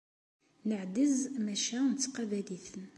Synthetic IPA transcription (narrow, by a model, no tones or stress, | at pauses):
nəʕd̪əzmæʃænt̪ːqɑbæliθən